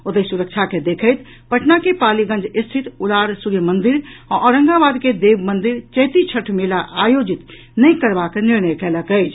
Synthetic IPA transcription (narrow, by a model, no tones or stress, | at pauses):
ot̪əsuɾək̚t͡ʃʰaked̪ekʰəjt̪ | pəʈʰnakepaliɡə̃nd͡ʒist̪ʰit̪ulaɾsuɾjəmənd̪iɾãʔɔɾə̃ŋɡabad̪ked̪ebmənd̪iɾt͡ʃəjt̪it͡ʃʰəʈʰmelaʔajod͡ʒit̪ | nəjkəɾbakniɾnəjkɛləkəɪt͡ʃʰ